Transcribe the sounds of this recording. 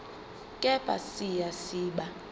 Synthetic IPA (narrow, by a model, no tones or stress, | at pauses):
kʼɛbʼa̰sijasiːɓa